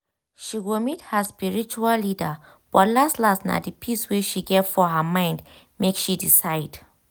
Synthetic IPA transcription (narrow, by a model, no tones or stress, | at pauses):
ʃiwilmithəspiɹit͡ʃuallidə | b̥ɔtlastlasna̰dipʰiswiʃiɡɛtfɔɦəmãɪ̃nd | mekʃidisaɪd̥